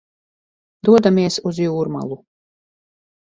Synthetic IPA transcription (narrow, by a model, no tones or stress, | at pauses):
d̪uɔd̪amiɛsuzjuːɾma̰lˠu